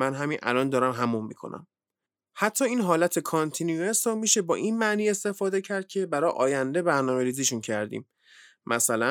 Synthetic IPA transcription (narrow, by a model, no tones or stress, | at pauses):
mænɦæminʔæ̰lɒːnd̪ɒːɾæmɦæmumːḭkʰo̰nʔæ̰m | hæt̪ʰːɒːiːnɦɒːlæt̪ʰe̞kʰɒnt̪ʰinuuesɔmiːʃe̞bɒːʔinmæʔniːe̞st̪e̞fɒːd̪ecʰæɾd̪̚cʰe̞bæɾɒːʔɒ̰ːjænd̪e̞bæɾnɒːme̞ɾiːziʃuncʰæɾd̪ḭːm | mʔæsælæ